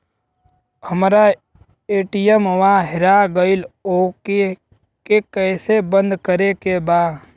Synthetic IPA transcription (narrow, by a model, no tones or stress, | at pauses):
həmɾa | eːʈijəmʋaɦɪɾaɡəɪloːke | kekɛːsebə̃nd̪kəɾekebaː